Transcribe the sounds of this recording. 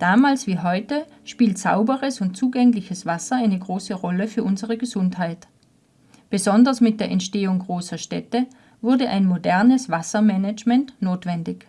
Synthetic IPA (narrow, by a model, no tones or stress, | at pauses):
d̥aːmaːlsv̥iːɦɔʏtə | ʃpiːltsa̰ʊbəʁəsʊnt̚t͡suːɡɛŋlɪçəsv̥asɐaɪnəɡʁoːsəʁɔləfyːɐʔʊnzəʁəɡəzʊnthaɪt | b̥əzɔndɐsmɪt̚d̥eːɐʔɛ̰ntʃteːʊŋɡʁoːsɐʃtɛtə | vʊɐdəʔa̰ɪnmodɛɐnəsv̥asɐmɛnɛd͡ʒmɛntnoːtv̥ɛndɪç